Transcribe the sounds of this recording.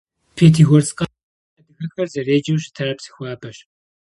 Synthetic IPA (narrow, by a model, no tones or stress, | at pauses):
pʰeːtʰiːɣʷɔrsqʼa | ɐdɨxɐxɐrzɐreːd͡ʒɐmɕtʰɐɾɐpsi̥xʷaːbʰɐɕ